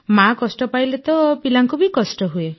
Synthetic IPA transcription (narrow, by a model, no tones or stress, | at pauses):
makɔsʈɔpailet̪ɔpilaŋkubʱikɔsʈɔɦue